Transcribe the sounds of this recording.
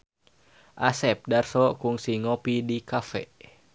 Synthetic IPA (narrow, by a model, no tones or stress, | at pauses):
ʔasɛp̚darsɔkuŋsiŋɔpidikafɛ̰